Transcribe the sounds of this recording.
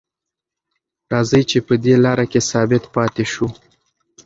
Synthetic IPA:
ɾɑzəjt͡ʃepəd̪elɑɾakesɑbɪt̪pɑt̪eʃu

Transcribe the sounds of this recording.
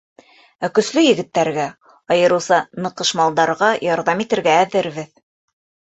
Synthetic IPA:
ækɵ̆slɵjɘ̆ɡɘ̆t̪ːæɾɡæ | ɑjɤ̆ɾɤ̆wsɑnɤ̆qɤ̆ʃmɑlˠd̪ɑɾʁɑjɑɾðɑmit̪ɘ̆ɾɡæːðɘ̆ɾβɘð

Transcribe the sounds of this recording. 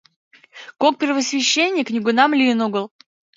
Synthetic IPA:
kok̚pʲɪrvəsvʲɪɕːenʲːɪjknʲɪɡʊnamlʲinuɡəlˠ

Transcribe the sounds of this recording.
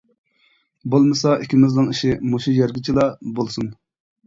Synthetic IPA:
bolˠmɨsɑʔikʲʰimɪznɪŋiʃimuʃijɛɾɡʲit͡ʃʰilˠɑbolˠsun

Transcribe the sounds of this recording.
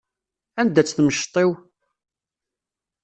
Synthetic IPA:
ænd̪æt͡sːθməʃt̪ˤew

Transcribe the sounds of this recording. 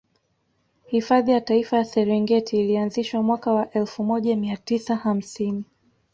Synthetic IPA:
hifaðijataifajasɛɾiŋɡɛtʰiːlianziʃwamwakawaʔɛlfumɔʄamiatisaham̩sini

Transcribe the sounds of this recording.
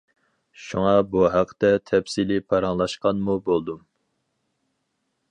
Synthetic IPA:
ʃuŋɑbuɦæqʰːə̥t̪ɛt̪ʰɛpsilɪpʰɑɾɑŋlˠɑʃqɑnmubolˠd̪um

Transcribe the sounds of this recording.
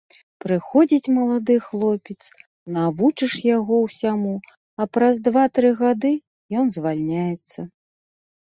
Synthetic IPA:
pɾɨxɔd͡zʲit͡sʲmɐlˠad̪ɨxlˠɔpʲɛt̪s | navut͡ʂɨʂjaɣɔwsʲamu | ɐpɾazd̪vat̪ɾɨɣad̪ɨ | jɔnzvalʲnʲajɛt̪sːɐ

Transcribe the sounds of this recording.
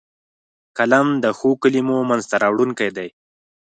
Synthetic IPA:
kalamd̪əxokəlimomanzt̪aɾɑwɽuŋkajd̪aj

